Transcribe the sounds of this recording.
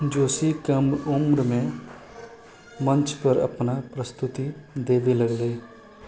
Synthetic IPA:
d͡ʒoːsikəmʊmɾmẽ | mə̃nt͡ʃpəɾɐ̰pnapɾəst̪ʊt̪id̪eːʋeləɡleː

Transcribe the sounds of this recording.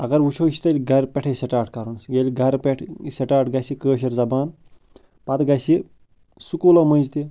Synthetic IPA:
ɐɡɐɾʋut͡ʃʰoːʃi̥t̪ɐlʲɡɐɾpʲeʈʰeseʈaːʈʰkɐɾunsɡelʲɡʱɐɾpʲeʈʰseʈaːʈʰɡɐsikəːʃ̬ɐɾzɐbaːn | pɐt̪ɡɐjsi | sukuːlomə̃nʲd͡ʒt̪i

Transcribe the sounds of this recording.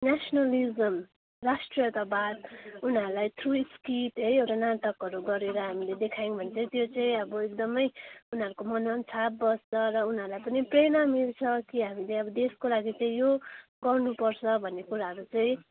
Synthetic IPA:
nasnʌlizʌm | rasʈrijʌt̪abad̪̚unɦʌɾulajt̪ʰruiskiʈɦʌjewʈanaʈʌkʌɾuɡʌɾeɾʌɦamiled̪ekʰajiŋbʱʌnet͡saĩt̪jot͡saĩʌbʌek̚d̪ʌmʌjunʌɾukomʌnʌnt͡sʰap̚bʌst͡sʰʌɾʌunɦʌɾulajpʌniprenamilt͡sʰʌkiɦamileʌbʌd̪eskolaɡit͡saĩjoɡʌrnupʌrt͡sʰʌbʱʌnːekuɾaɦʌɾut͡saĩ

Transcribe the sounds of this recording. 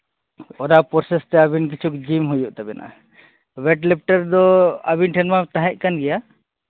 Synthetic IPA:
ɔɾapɔɾsɛst̪ɛabink̬it͡ʃʰukd͡ʒimɦujuʔt̪abɛnʔa̰ | bɛʈlɛp̚ʈəɾd̪ɔa̰binʈʰɛnmat̪aɦɛ̃ʔ̚kanɡɛja

